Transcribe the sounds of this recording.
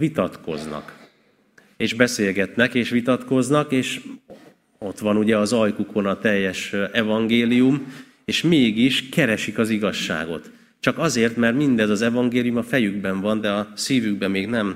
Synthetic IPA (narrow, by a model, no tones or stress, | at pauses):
vit̪ɒt̪ko̞̰znɒ̰k | eːʒbɛseːlɡɛt̪nɛkeːʃʋit̪ɒt̪ko̞znɒkeːʃ | o̞t̪ʋɒnuɟɛɒzɒjkukʰo̞nɒt̪ɛjːɛʃɛvɒŋɡeːlijum | eːʃmeːɡiʃkɛɾɛʃikɒziɡɒʃːa̰ːɡo̞̰t̪ | t͡ʃɒkɒzeːrt̪mɛrt̪mind̪ɛzɒzɛvɒŋɡeːlijumɒfɛjyɡbɛɱvɒnd̪ɛɒsiːvyɡ̚bɛmeːɡnɛm